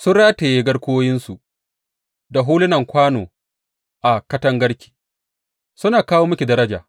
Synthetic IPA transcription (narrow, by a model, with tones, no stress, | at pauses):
sʊ˦ɽaː˦ta˨jeː˦ɡɐ˦ɽkʷoː˦jɪ˦nsu˨ | da˨ɦuː˦lɪ˦nɐ˨ŋkʷaː˦no̰ː˨ | ʔa˨kɐ˦tɐ˦ŋɡɐ˦ɽkʲi̥ː˨ | sʊ˦naː˨kaː˦woː˦mʊ˦kʲi˨dɐ˦ɾɐ˦d͡ʒa̰ː˨